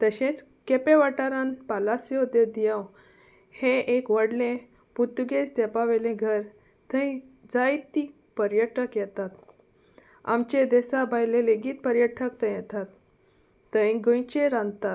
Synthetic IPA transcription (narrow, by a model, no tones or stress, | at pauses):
t̪əɕẽt͡s | kepeʋaʈaɾãnpalasjod̪əd̪ijaw | hẽʔekʋəɽlẽ | put̪uɡest̪ɛpaʋelẽɡʱəɾ | t̪ʰə̃ĩd͡zajt̪ːi | pəɾjəʈəkjɛt̪at̪ | a̰mt͡ɕed̪ɛsabʱajleleɡiːt̪̚pəɾjəʈʰəkt̪əjɛt̪at̪ː | əĩɡõjt͡ɕeɾãnd̪t̪at̪